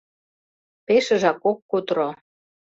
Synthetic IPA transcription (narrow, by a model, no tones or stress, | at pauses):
peʃə̆ʒɑkokːut̪ɾo